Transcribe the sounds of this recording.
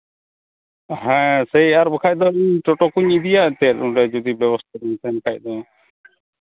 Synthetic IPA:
ɦɛ̃sɛjaɾbəkʰac̚ˀd̪ɔiɲʈɔʈɔkuɲid̪ijaʔt̪ɛɾunɾɛd͡ʒud̪ibɛβɔst̪ʰad̪ɛɲt̪ɛnkac̚ˀd̪ɔ

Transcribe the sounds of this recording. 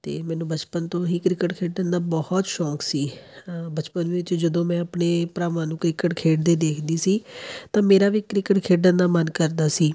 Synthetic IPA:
t̪ḛːmɛ̃ːnũːbət͡ʃpənt̪õːɦiːkɾɪkəʈkʰeːɖənd̪aːbɔhɔt̪ʃɔːksiːbət͡ʃpənʋɪt͡ʃd͡ʒəd̪õːmɛ̃ːəpɳeːpɾaːʋãːnũːkɾɪkəʈkʰeːʈ̚d̪eːd̪eːkʰd̪iːsiːt̪ãːmeːɾaːʋiːkɾɪkəʈkʰeːɖənd̪aːmənkəɾd̪aːsiː

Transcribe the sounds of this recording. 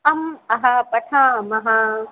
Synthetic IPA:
ɐmɐɦapɐʈʰãːmɐɦãː

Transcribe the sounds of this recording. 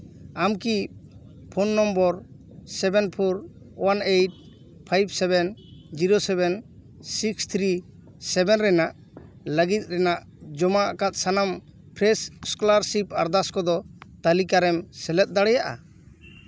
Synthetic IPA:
amki | pʰɔnːɔmbɔɾ | sɛbɛnpʰɔɾ | wanejʈ̚ | pʰajbsɛbɛnd͡ʒiɾosɛbɛn | sikst̪ʰɾi | sɛbɛnɾɛnaʔ | ləɡit̪̚ˀɾɛnaʔ | d͡ʒɔmaakat̪̚sanam | pʰɾɛsskɔlaɾsipaɾd̪askɔd̪ɔt̪alikaɾɛmsɛlɛt̪̚d̪aɽɛjaʔa̰

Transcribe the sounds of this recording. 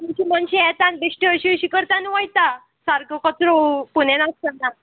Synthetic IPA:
muɕimənɕiɛt̪ãnbeʂʈiəɕiəɕikəɾt̪anuʋajt̪a | saɾkəkət̪ɾopunenast̪əna

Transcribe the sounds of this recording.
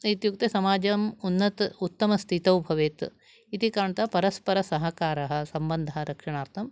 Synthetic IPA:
it̪juk̚t̪esɐmaːd͡ʒɐmunːɐt̪ut̪ːɐmɐst̪ʰit̪ɐwbʱɐʋeːt̪ | it̪ikaːɳt̪ɐpɐɾɐspɐɾɐsɐɦɐkaːɾɐɦɐ̆sɐmbɐnd̪ʱɐɦɐɾʔɐkʂɐɳaːɾt̪ʰɐm

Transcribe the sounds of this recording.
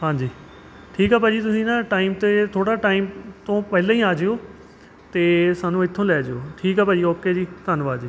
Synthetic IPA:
ɦãːɲd͡ʒiː | ʈʰiːkɦaːpaːd͡ʒiːt̪ʊsĩːnãːʈaːiːmt̪eːt̪ʰoːɽaːʈaːiːmt̪õːpɛːlãːĩːaːd͡ʒeːoː | t̪eːsaːnũːɪt̪ʰːõːlɛːd͡ʒeoːʈʰiːkɦaːpaːd͡ʒiːoːkeːd͡ʒiːt̪ənʋaːd͡ʒiː

